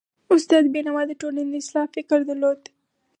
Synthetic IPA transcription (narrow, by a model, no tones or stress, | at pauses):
ʊst̪ɑd̪benamɑd̪əʈolnand̪əɪslɑhfɪkəɾd̪əlod̪